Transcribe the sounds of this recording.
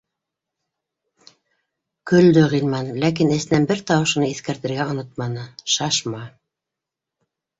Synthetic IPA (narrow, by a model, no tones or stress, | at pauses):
kɵ̆ld̪ɵʁilmɑnlæk̬inɘ̆sɘ̆nænbɘɾt̪ɑwɤ̆ʃɤ̆nɤiθkæɾt̪ɘ̆ɾɡæŏnot̪̚mɑnɤʃɑʃmɑ